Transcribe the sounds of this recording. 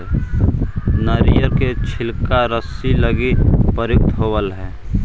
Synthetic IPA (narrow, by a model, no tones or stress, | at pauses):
nəːɾijəɾket͡ʃʰɪlkaɾəsiləɡipəɾjʊk̚t̪ɦoːwəlɦɛ̃ː